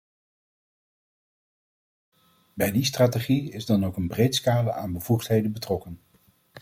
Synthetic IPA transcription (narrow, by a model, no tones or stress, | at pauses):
bɛjdistraːteχiɪzdɑnowkənbrejtskaːləʔa̰ːnbəv̥uχtɦejdəbətrɔkən